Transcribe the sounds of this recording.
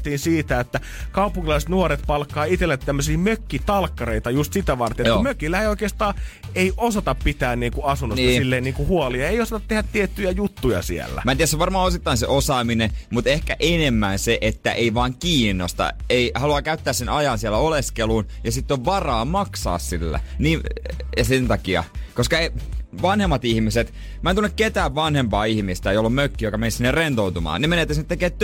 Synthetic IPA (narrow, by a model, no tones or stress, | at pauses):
t̪iːnsiːt̪æet̪ːæ | kɑupuŋːilɑiset̪nuoɾet̪pɑlkːɑːit̪elːet̪t̪ːæmːøsiːmøkːit̪ɑlkːɑreit̪ɑjust̪sit̪æʋɑrt̪enet̪ːmøkilːæeijoikeːst̪ɑː | eiʔosɑt̪ɑppit̪æːnniːŋkuɑsunːoɑsilːeiniːkuhuoliɑeijosɑt̪ɑt̪t̪ehæt̪t̪iet̪ːyjæjut̪ːujɑ̰siḛlːæ̰mæːiæseʋɑrmɑːosit̪ːɑinsḛʔosɑːminemut̪ehkæʔenemːænseʔet̪ːæʔeiʋɑːŋkiːnːost̪ɑ̰eihɑluɑkæyt̪ːæːssenɑjɑnsiælːæoleskeluːn | jɑsit̪ːoʋʋɑrɑːmɑksɑ̰ːssilːæ̰niːsent̪ɑkiɑ̰koskɑeʋɑnhemːɑt̪ihmiset̪ | mæˑent̪unːekket̪æːʋʋɑnhempɑːihmist̪æeiolːumøkːijokɑmensinːerrent̪out̪umɑ̰ːnnemeneːt̪ːæsinet̪ːekeːt̪ː